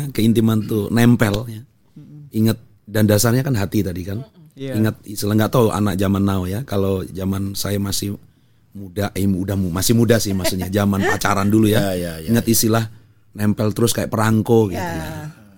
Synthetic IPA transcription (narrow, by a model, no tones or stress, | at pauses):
kəint̪imant̪unɛmpɛlja | iŋət̪̚ | dandasarɲakanɦat̪it̪adikaniŋət̪̚isilaŋɡaʔt̪auʔa̰nak̚d͡ʒamanːaojakalod͡ʒamansajamasɪh | mudaiudahmumasɪhmudahsɪhmaksuɲad͡ʒamanat͡ʃaɾandulujaiŋət̪isilah | nɛmpɛlt̪əɾʊskajaʔpəɾaŋkoɡit̪uja